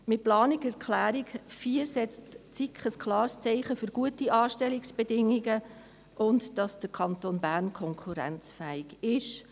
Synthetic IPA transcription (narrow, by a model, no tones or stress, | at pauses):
mɪt̚plɑːnikɛɾkʰlæːɾikfiːəɾsɛt͡stt͡sikχəskʰlɑːɾst͡sɛɪχəfʏɾɡ̥uətiʔɑːʃtɛliksb̥edɪŋiɡə | ʔʊndd̥ɑsd̥əɾkʰɑntoːnbæːɾnkʰɔŋkʰuɾæ̰nt͡sfæɪɡɪʃ